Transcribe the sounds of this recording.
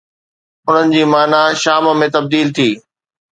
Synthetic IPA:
ʊn̤ənɪ̆d͡ʑiːmaːnaʃaːmmẽt̪ɐb̚d̪iːlt̪ʰiː

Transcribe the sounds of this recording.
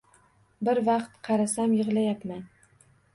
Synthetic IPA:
bɪɾvɑqt̪qʰɑɾasamjɪʁlajapman

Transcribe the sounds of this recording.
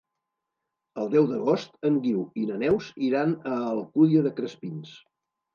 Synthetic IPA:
əlˠd̪ɛwd̪əɣ̞ɔst̪əŋɡiwinənɛwziɾanəːlˠkuðiəðəkɾəspins

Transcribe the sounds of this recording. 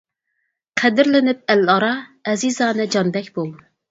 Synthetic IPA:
qʰɛd̪ɪɾlɪnɪp̚ɛlɑɾɑɛzizɑːnɨd͡ʒɑnbɛkʲbolˠ

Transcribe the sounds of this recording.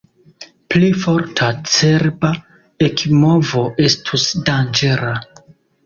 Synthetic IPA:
plifoɾtʰat͡seɾba | ekmo̞vo̞ʔe̞stʰusdand͡ʒe̞ɾa

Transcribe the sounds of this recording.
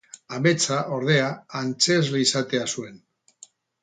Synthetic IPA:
ame̞t͡saʔo̞ɾð̞e̞aːnt͡se̞zliisat̪e̞asue̞n

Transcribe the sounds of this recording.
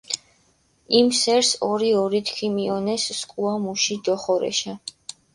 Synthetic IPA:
imsɛɾsɔɾiɔɾit̪ʰkʰimiɔnɛsːkʼuamuʃid̪ɔχɔɾɛ̰ʃɛ

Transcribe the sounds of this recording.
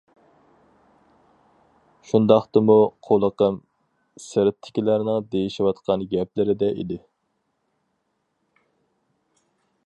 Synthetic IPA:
ʃund̪ɑχt̪ɨmuqʰolˠəqəm | sɪɾɪt̪ʰːɪ̥kʲilæɾnɪŋd̪ejiʃiwɑt̪qʰɑnɡʲɛplɪɾɪd̪ɛʔḭd̪ɪ

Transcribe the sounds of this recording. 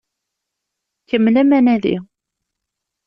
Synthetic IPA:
kəmːlæmænæðḭ

